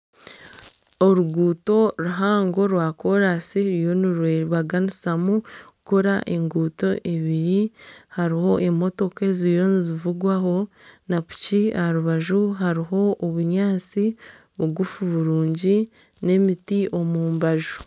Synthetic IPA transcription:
oɾuɡuːto̞ɾuɦaːŋɡo̞ɾwaːko̞ɾasiɾijo̞niɾweɾβaɡanisamuɡ̥uko̞ɾaʔeŋɡuːto̞ʔeβiɾihaɾiho̞ʔemo̞to̞kezijo̞nizivuɡwaɦo̞ | napu̥ciaɾuβaʒuɦaɾiɦo̞oβuɲaːt͡si | βuɡufuβuɾuːɲɟi | ne̞mitio̞muːmbaʒu̥

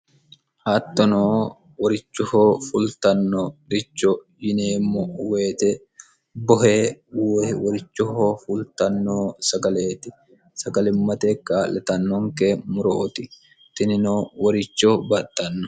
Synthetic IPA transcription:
hat̪ːɔnoː | wɔɾɪt͡ʃːʊhoːfʊlt̪ɐnːɔɾɪt͡ʃːo | jɪneːmːɔweːt̪ɛ | bɔɦeːwwɔɾɪt͡ʃːʊhoːfʊlt̪ɐnːoːsɐɡɐleːt̪ɪ | sɐɡɐlɛmːɐt̪ekːaːlɛt̪ɐnːɔŋkeːmʊɾoːt̪ɪ | t̪ɪnɪnoːwɐɾɪt͡ʃːoːbɐt̪ːɐnːɔ

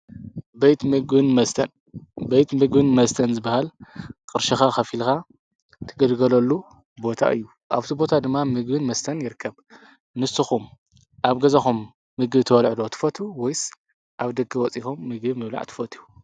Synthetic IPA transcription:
bejt̪mɨɡbɨnmɐst̪ʰɐn | bejt̪mɨɡbɨnmɐst̪ʰɐnzɨbahalkʼɨɾʃɐxaxɐfilka | t̪ʰɨɡɐlɡɐlɐlːu | bo̞t̪ʰa̰ʔɨ̰jːu | ʔaβt̪ʰibo̞t̪ʰad̪ɨmːamɨɡbɨnmɐst̪ʰɐnjɪɾɨkʰːɐβ | nɨsɨxum | ʔaβɡɐzɐxumː | ɨɡɨβt̪ʰɨwɐlʕd̪ot̪ʰɨ̥fɐt̪ʰuwɔjs | ʔaβd̪ɐɡɨwɔt͡sʼixumːɨɡɨmɨβla̰ʕt̪ʰɨ̥fɐt̪ʰuu

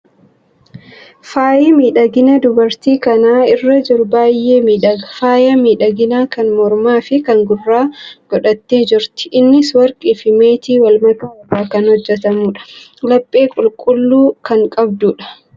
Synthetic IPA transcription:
faːjemiːᶑɐɡɪnɐd̪ʊbɐɾt̪iːkɐnaːɪrːɐd͡ʒɪɾʊbaːjʔeːmiːᶑɐfaːjɐmiːᶑɐɡɪnaːkɐnmɔɾmaːfɪkɐŋɡʊrːaːɡ̥ɔᶑɐt̪ːeːd͡ʒɪɾt̪ɪ̥ʔɪnːɪswɐɾkʼiːfɪmeːt̪iːwɐlmɐɡɐwɐrːaːkɐnhɔd͡ʒːɛt̪ɐmuːᶑɐ̥lɐpʼːe̞ːkʼʊlkʼʊlːuːkɐŋkʼɐb̚d̪uːᶑɐ̥

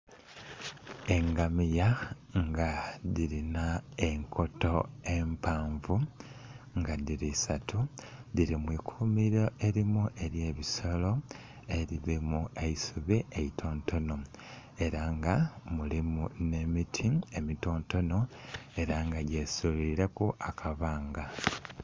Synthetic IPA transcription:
e̞ŋɡamija | ŋɡaðiɾinae̞ŋkʰo̞to̞e̞mpaːɱvu | ŋɡaðiɾisatʰuðiɾimwiːkʰuːmiɾoʔe̞ɾimuʔe̞ɾje̞ːβiso̞lo̞ | e̞ɾiβimueisuβiʔeitʰo̞ːnto̞no̞ | e̞ɾaŋɡamulimune̞mitʰiemito̞ːnto̞no̞e̞ɾaŋɡaɟe̞suliɾekuʔakʰaβaːŋɡa

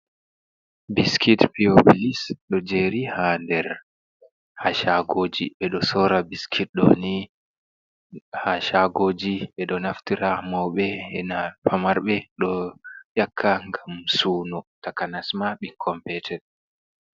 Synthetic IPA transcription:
biskʰitpiobilisɗɔd͡ʒeːɾihandɛɾ | haʃaɡoːd͡ʒḭɓɛɗɔsɔːɾabiskʰit̚ɗɔ̰ni | haʃaɡoːd͡ʒiɓɛɗɔnaftiɾamɔwɓɛɛnapʰamaɾɓɛɗɔjakʰːaŋɡamsuːnɔtakanasmaɓikʰɔmpɛtʰɛd

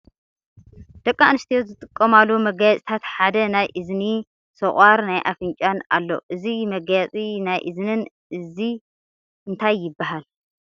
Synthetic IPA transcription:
d̪̥ɐkʼːanɨst̪ʰijozɨt̪ʼɨkʼːɐmalːumɐɡajat͡sʼit̪ʰat̪ħad̪ɐnajʔɨzni | sɐχʼaɾnajʔa̰fɨɲt͡ʃʼana̰lːo̰ʔɨzimɐɡjat͡sʼinajʔɨznɨn | ʔɨzi | ɨnt̪ʰajːɪbːaɦal

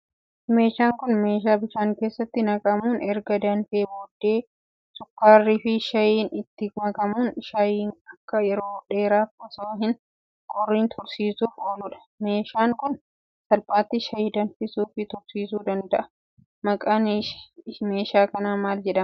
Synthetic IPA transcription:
me̞ːʃaːŋkʊnme̞ːʃaːbɪʃaːŋke̞ːsːɐt̪ːɪnɐkʼɐmuːnɛɾɡɐd̪ɐnfeːboːd̪ːe̞ː | sʼʊkːaːrːiːfɪʃɐjiːnɪt̪ːɪɡʊmɐkʼɐmuːnʃɐjiːnɐkːɐjɛɾo̞ːᶑe̞ːɾaːfɐsoːɦɪn | kʼɔrːiːnt̪ʰʊɾsiːsuːfoːlʊᶑɐ̥ | me̞ːʃaːŋkʊn | sɐlpʼaːt̪ːɪʃɐjiːd̪ɐnfɪsuːfɪt̪ʊɾsiːsuːd̪ɐnd̪ɐʔɐ̥ | mɐkʼan | me̞ːʃaːkɐnaːmaːld͡ʒɛᶑɐm

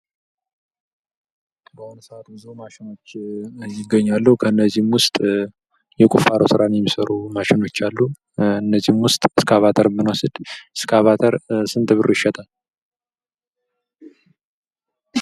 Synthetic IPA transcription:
bəhonəsəat̪bɨzumaʃɪno̞t͡ʃːjɪɡəɲːalːəhukʰəɨnːəzihmwʊst̪ʼ | jɛkʼufaɾʔosɨɾanjɛmːisəɾumaʃɪno̞t͡ʃːalːu | ɨnːəzːihmwʊst̪ʼɨskʰəaβat̪ʰəɾmɨnasɨd̪̥ɨskʰəaβat̪ʰəɾsɨnt̪ʼɨβɨɾɨɪʃɛt̪ʰal

